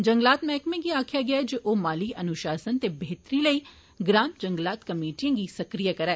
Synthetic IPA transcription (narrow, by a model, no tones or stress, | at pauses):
d͡ʒə̃ŋɡlaːt̪mɛːkmẽːɡiaːkʰjaːɡɪaɛd͡ʒoʔoːmaːliʔɐnʊʃaːsənt̪ebeːt̪ɾiləiː | ɡɾãːmd͡ʒə̃ŋɡlaːt̪kəmeːʈijãːɡisəkɾijaːkəɾɛː